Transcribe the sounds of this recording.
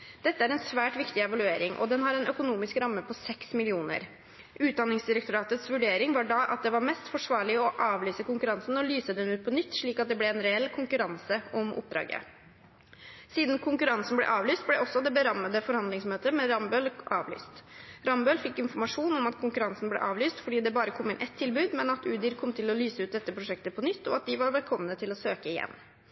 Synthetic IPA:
d̪̥ɛt̪ːəæɾɛnsʋæːʈʋɪkt̪ɪɛʋɑlʉeːɾɪŋʔɔ̰d̪ɛnɦɑɾɛnœkʊnuːmɪskɾɑmːəpʰɔsɛksmɪlɪuːnə̰ɾ | ʉːt̪̚d̪ɑnːɪŋsd̪ɪɾək̚t̪ʊɾɑːt̪ət̪sʋʉɖeːɾɪŋʋɑɖɑʔɑt̪̚d̪ɛʋɑɾmɛst̪fɔʂʋɑːɭɪɔʔɑːʋlyːsəkʊŋkʉɾɑnsn̩ɔlyːsəd̪ɛnʉːt̪̚pʰɔnʏt̪ːʂɭiːkɑt̪̚d̪ɛblɛɛnɾɛɛlːkʰʊŋkʉɾɑnsəɔmʔʊ̰p̚d̪ɾɑ̰ːɡə̰ | siːd̪n̩kʰʊŋkʉɾɑnsn̩blɛ̰ʔɑːʋlyːst̪̚blɛʔɔsːɔd̪ɛbəɾɑmːəd̪əfɔɾhɑnd̪lɪŋsmøːt̪əmɛɾɑmbøːlʔɑ̰ːʋly̰ːst̪ɾɑmbøːlfɪkːɪnfɔɾmɑʂuːnɔmɑt̪kʰʊŋkʉɾɑnsn̩blɛ̰ʔɑːʋlyːst̪fɔɖiːd̪ɛbɑːɾəkʰɔmːɪnʔɛt̪ʰːɪlbʉːd̪mɛnɑt̪ʉːd̪ɪɾkʰɔmt̪ʰɪlɔlyːsəʉːt̪̚d̪ɛt̪ːəpʰɾʊʂɛk̚t̪əpʰɔnʏt̪ːɔ̰ɑt̪̚d̪ɪʋɑɾʋɛlkʰɔmːənət̪ʰɪlɔsøːkəɪjɛ̰nː

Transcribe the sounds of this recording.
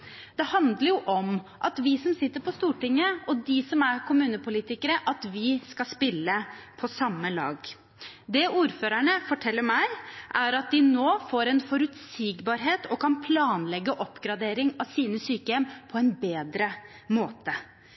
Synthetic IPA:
d̪̥ɛhɑnd̪ləɾjʊʔɔmʔɑt̪ʋɪsɔmsɪt̪ːəɾpɔst̪uːʈɪŋːəɔd̪ɪsɔmæɾkʰʊmʉːnəpʊliːt̪ɪkəɾəʔɑt̪ʋɪskɑspɪlːəpʰɔsɑmːəlɑ̰ːɡ | d̪ɛʔuːɾføːɾæɳəfɔʈʰɛlːəɾmæɪʔæɾɑt̪̚d̪ɪnoːfoːɾɛnfɔɾʉt̪siːɡbɑːɾɦeːt̪ʰɔkʰɑnpʰlɑːnlɛɡːəʔɔpːɡɾɑd̪eːɾɪŋɑʋsiːnəsyːkəɛmpʰɔɛnbeːd̪ɾə | moːt̪ə

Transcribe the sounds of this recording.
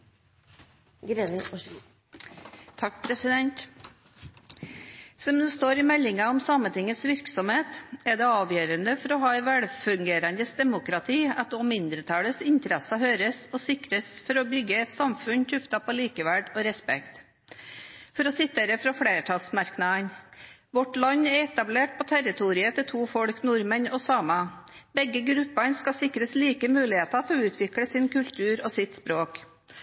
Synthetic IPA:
ɡɾenɪʔɔ | t̪ʰɑkːpʰɾɛsɪd̪ɛnt̪ | sɔmd̪ʉːst̪oːɾɪmɛlːɪŋɑɔmsɑmənt̪ɪŋət̪sʋɪɾksɔmheːt̪ɛd̪ɛɑːʋjøːɾənəfɔɾɔɦɑːɛʋɛɽfʉŋɡeːɾənd̪əsd̪ɛmʊkɾɑt̪ʰiːɑt̪ɔmmːɪnd̪ɾət̪ʰɑːləsɪnt̪əɾɛsɑɦøːɾəsɔsɪkɾəsfɔɾɔbʏɡːəɛt̪sɑmfʉnt̪ʰʉft̪ɑpʰɔliːkəʋæɖɔɾɛspɛ̰kt̪ | fɔɾɔsɪt̪ːeːɾəfɾɑfɽeːʈʰɑsmɑɾknɑənʋɔʈlɑnːɛɾɛt̪ɑbleːʈ̚pʰɔt̪ʰæɾɪt̪ʰuːɾɪət̪ʰɪt̪ʰuːfɔɽknʊɾmənɔsɑːmɑ | bɛɡːəɡɾʉpːɑɳskɑsɪkɾəsliːkəmʉːlɪheːt̪ɑt̪ʰɪɔʉːt̪ʰʋɪkɽəsɪnkʉlt̪ʰʉːɾɔsɪt̪spɾoːk

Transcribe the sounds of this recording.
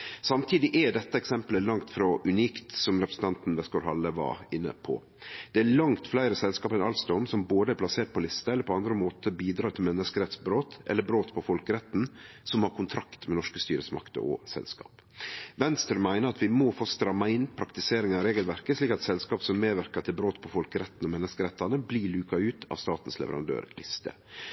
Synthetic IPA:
sɑmt̪ʰiːd̪ɪʔɛɖɛt̪ːəɛksɛmpləlɑŋt̪fɾɔʔʉniːkt̪sɔmɾɛpɾəsn̩t̪ɑnt̪nʋɛskoɾhɑlːəʋɑ̰ɪnːə̰pʰɔ̰ | d̪̥ɛæːɭɑŋt̪flæɪɾəsɛlskɑːpɛnɑlsd̪ɔmsɔmboːd̪əæpʰlɑseːʈ̪̚pʰɔlɪst̪ɑɛləpʰɔɑnd̪ɾəmoːt̪əbiːd̪ɾɑːt̪ʰɪlmɛnːəskəɾɛt̪sbɾoːt̪ʔɛ̰lːəbɾoːt̪pʰɔfɔlkəɾɛt̪ːn̩sɔmhɑɾkʰʊnt̪ʰɾɑkt̪mɛnɔʂkəst̪yːɾəsmɑ̰kt̪ə̰ʔɔ̰sɛ̰lskɑ̰ːp | ʋɛnst̪ɾmæɪnəɾɑt̪ʋɪmɔfoːst̪ɾɑmːɑɪnpʰɾɑkt̪ɪseːɾɪŋəɾeːɡəlʋæɾkəsɭiːkɑt̪sɛlskɑːpsɔmːeːʋæɾkət̪ʰɪlbɾoːt̪pʰɔfɔlkəɾɛt̪ːn̩ɔmɛnːəskəɾɛt̪ːɑnəbliːɭʉːkɑʉːt̪ʰɑ̰ʋst̪ɑːt̪n̩slɛ̰ʋə̰ɾɑ̰nd̪ø̰ːɾlʔɪ̰st̪ə̰

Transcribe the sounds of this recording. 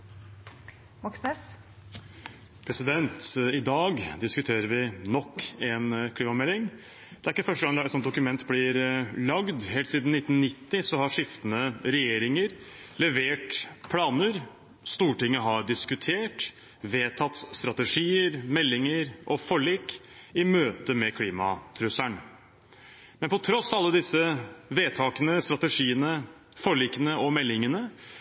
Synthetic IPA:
mɑksnɛs | pʰɾɛsɪd̪ɛnt̪ɪd̪ɑːɡd̪ɪskʉt̪ʰeːɾəɾʋɪnɔkːɛnkʰliːmɑmɛlːɪŋ | d̪̥ɛæɾɪkːəfœʂəɡɑŋlɑɛt̪sɔnd̪ʊkʉmɛnt̪ːblɪɾlɑɡd̪heːlt̪siːd̪n̩ɪt̪ːn̩nːɪt̪ːɪsɔhɑʂɪft̪ənəɾɛjeːɾɪŋəɾlɛʋeːʈpʰlɑːnəɾ | st̪uːʈɪŋːəɦɑɾɖɪskʉt̪ʰeːʈ | ʋeːt̪ʰɑt̪ːst̪ɾɑt̪əʂiːəɾmɛlːɪŋəɾʔɔfɔɭiːk | ɪmøːt̪əmɛkʰliːmɑ̰t̪ʰɾʉsæɳ | mɛnpɔt̪ʰɾɔsːɑlːəd̪ɪsəʋeːt̪ʰɑːkənəst̪ɾɑt̪əʂiːənə | fɔɭiːkənəɔmɛlːɪŋənə

